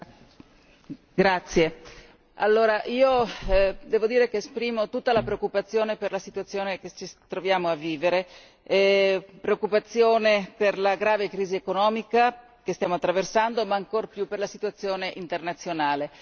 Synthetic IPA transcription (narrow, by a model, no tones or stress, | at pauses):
ɡɾat̪sːje | a̰lːoːɾaʔiːo | d̪ɛːvod̪iːɾekeːspɾiːmot̪ut̪ːalapɾeokːupat̪sːjoːneperlasit̪uat̪sːjoːneket͡ʃit̪ɾovjaːmoavːiːveɾe | pɾeokːupat̪sːjoːneperlaɡɾaːvekɾiːziekonɔːmika | kest̪jaːmoat̪ːɾaversand̪omaːŋkorpjupːerlasit̪uat̪sːjoːneʔint̪ernat̪sːjonaːle